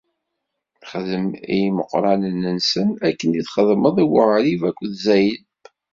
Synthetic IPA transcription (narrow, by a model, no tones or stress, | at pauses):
θχəðəmḭməqːɾˤɑnənːənsənækːəniθχəðˤməðˤiwəʁɾivækʷːðzæjl